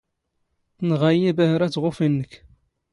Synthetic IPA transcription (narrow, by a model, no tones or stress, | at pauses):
θənʁajibæhɾæt͡sːʁʊfinːəkː